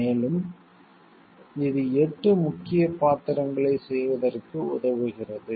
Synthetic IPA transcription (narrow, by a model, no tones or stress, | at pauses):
eːlɯm | ɪðɯɛʈrɯmʊkːɪjɐpaːt̪ɪɾɐŋɡɐɭɐɪsɛjʋɐðɐrkɯʊðɐʋɯɣɪrɐðɯ